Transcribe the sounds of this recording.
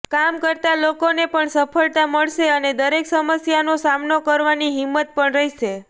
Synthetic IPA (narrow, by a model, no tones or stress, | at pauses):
kamkəɾt̪alokonepəɳsəpʰəɭt̪aməɭʃeəned̪əɾeksəməsjanosamnokəɾʋaniɦimːət̪̚pəɳɾəɦiʃe